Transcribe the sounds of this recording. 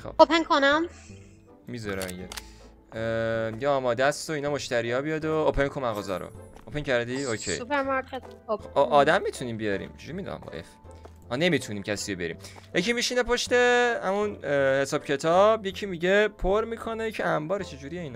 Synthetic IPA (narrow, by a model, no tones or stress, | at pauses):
xo̰opʰeŋkʰonæm | mizɒɾɛiɟe | miɟeɒːmɒd̪æst̪oiːnɒmoʃt̪æɾijɒːbijɒd̪oopʰeŋkʰonmæɣɒzɒ̰ɾo̰opʰeŋcʰæɾd̪iokʰejupeɾmɑɾkʰet̪oʔɒːd̪æmːit̪ʰuniːmbijɒɾḭːmd͡ʒud͡ʒimid̪̰mbɒ̰ʔḛf | mɒne̞mit̪ʰuniːmcʰæsiːjobe̞ɾḭmjecʰimiʃinepʰoʃt̪e̞hæmunhe̞sɒːb̥cʰe̞t̪ʰɒːbjecʰimiɟe̞pʰoɾmiːkʰonejecʰiæmbɒːɾet͡ʃʰed͡ʒuɾijeiːn